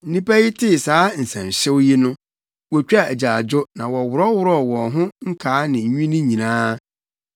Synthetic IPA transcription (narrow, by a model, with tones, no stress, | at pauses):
n̩˦nĩ˦pʰæ˦ji˦tʰɪ˦˨saː˨˦n̩˨sã̰˨n˨ɕɛ˦wji˦nʊ̃˦ | wɔ˨t͡ɕᶣa˨æ˨d͡ʑa˨d͡ʑʊ˦nã˨wɔ˨wʊ˨ɾɔ˦wʊ˦ɾɔ˦˨wɔ̃˨nɦʊ̃˦ŋ̩˦kʰaː˨˦nɪ̃˨˦ɲᶣũ˦nĩ˦ɲĩ˨nãː˦